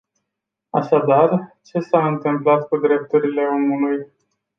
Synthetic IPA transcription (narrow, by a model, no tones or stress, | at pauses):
a̰ʃad̪art͡ʃe̞saɨnt̪ɨmplat̪kud̪ɾe̞p̚t̪uɾile̞o̞muluj